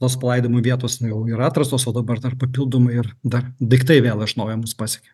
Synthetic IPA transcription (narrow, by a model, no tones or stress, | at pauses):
t̪oːspɐlˠɐɪd̪oːmoːʋʲiɛt̪oːsnjɛʊɪɾɑːt̪ɾɐsoːsoːd̪ɐbɐrd̪ɐrpɐpʲilˠd̪oːmɐɪɪrd̪ɐrd̪ɐɪkt̪ɐɪʋʲeːlˠɐʒʲɪnoːjɛmuspɑːsʲɛkʲoːj